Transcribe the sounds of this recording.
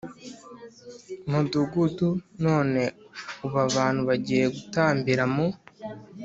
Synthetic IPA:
muduɡuduno̞ːne̞uβaβaːn̥huβaɟiːɾe̞ɡutaːmbiɾamo

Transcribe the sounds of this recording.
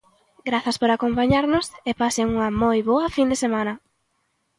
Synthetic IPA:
ɡɾaθɐspoɾakompaɲaɾnʊsepasɪŋuŋɐmojβoɐfind̪esemãnɐ

